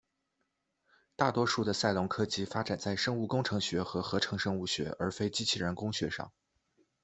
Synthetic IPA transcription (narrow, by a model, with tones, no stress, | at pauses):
t̪a˥˩t̪wɔ˥ʂu˥˩d̪ə˩sa˥˩ɪlʊ˧˥ŋkʰɤ˥t͡ɕi˥fa˥ʈ͡ʂa˨˩nt͡sa˥˩ɪʂɤ˥ŋu˥˩kʊ˥ŋʈ͡ʂʰɤ˧˥ŋɕɥɛ˧˥xɤ˧˥xɤ˧˥ʈ͡ʂʰɤ˧˥ŋʂɤ˥ŋu˥˩ɕɥɛ̰˧˥ʔə˞˧˥fe˥ɪt͡ɕi˥t͡ɕʰi˥˩ɻə˧˥nkʊ˥ŋɕɥɛ˧˥ʂɑ̰˥˩ŋ